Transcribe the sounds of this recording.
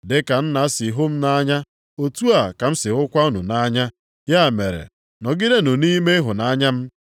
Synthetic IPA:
dɪ˦ka˨n̩˦na˨˦si˨ɦʊ˦m̩˦na˦ɲa˦ | o˨tu˦a˨ka˨m̩˦sɪ˨ʊ˦kʷa˦u˦nṵ˨na˦ɲa˦ | ja˦˨me˨ɾḛ˨ | nɔ˨ɡɪ˦de˦nʊ˨ni˦me˦ɦʊ˨na˦ɲa˦m̩˦

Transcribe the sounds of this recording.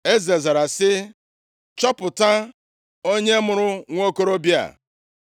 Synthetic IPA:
e˦ze˨za˨ɾa˨sɪ˦ | t͡ʃɔ˦pʊ˨ta˦ | o˦ɲe˦mʊ˨ɾʊ˦ŋʷo˦ko˦ɾo˦bja̰˨

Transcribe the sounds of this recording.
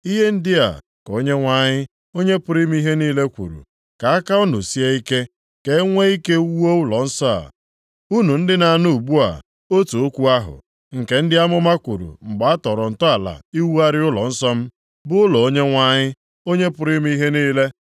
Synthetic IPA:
i˦ɦe˦n̩˦dɪ˦a̰˨ | ko˦ɲe˦ŋʷa˦ɲɪ˦ | o˦ɲe˦pʊ˨ɾi˦m̩˦i˦ɦe˦niː˦le˦kʷṵ˨ɾṵ˨ | ka˨a˦ka˦ʊ˦nʊ˨si˦e˦i˦ke˦ | ke˨˦ŋʷe˦i˦ke˦wu˦o˦ʊ˦lɔ˨n̩˦sɔ˦a̰˨ | u˦nu˨n̩˦dɪ˦na˨nʊ˦u˨ɡ͡bu˦a̰˨ | o˦tu˨o˦kʷu˦a˦ɦʊ̰˨ | ŋ̩˨ke˨n̩˦dɪ˦a˦mʊ˦ma˦kʷṵ˨ɾṵ˨ŋ͡m̩˨ɡ͡ba˨a˦tɔ˨ɾɔ˨n̩˨tɔ˦a˨la̰˨i˦wu˦a˦ɾɪ˦ʊ˦lɔ̰˨n̩˦sɔ˦m̩˦ | bʊ˦ʊ˦lɔ˨o˦ɲe˦ŋʷa˦ɲɪ˦ | o˦ɲe˦pʊ˨ɾi˦m̩˦i˦ɦe˦niː˦le˦

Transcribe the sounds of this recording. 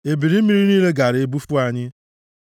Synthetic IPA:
e˨bi˨ɾi˦mi˦ɾi˦niː˦le˦ɡa˨ɾe˨bu˦fu˦a˨ɲɪ˦

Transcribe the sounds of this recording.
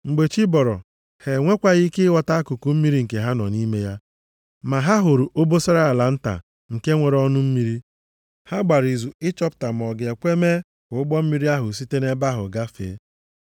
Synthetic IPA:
ŋ͡m̩˨ɡ͡be˨t͡ʃi˦bɔ˨ɾɔ˨ | he˨ŋʷe˦kʷa˦ɣi˦kɪ˦wɔ˨ta˦a˦kʊ˨ku˦m̩˦mi˦ɾi˦ŋ̩˨ke˨ɦa˦nɔ̰˨ni˦me˦ja˦ | ma˨ɦa˦ɦʊ˨ɾu˨ʔo˦bo˦sa˦ɾa˦a˨la˨n̩˦ta̰˨ | ŋ̩˨ke˦ŋʷe˨ɾɔ˦nʊ˦m̩˦mi˦ɾi˦ | ha˦ɡ͡ba˨ɾi˨zu˨ɪ˦t͡ʃɔ˦p̚ta˨m˨ɔ˨ɡe˨kʷe˦me˦ | kʊ˨ʊ˦ɡ͡bɔ˦m̩˦mi˦ɾi˦a˦ɦʊ˨si˦te˦ne˦ba˦ɦʊ̰˨ɡa˦fḛ˨˦

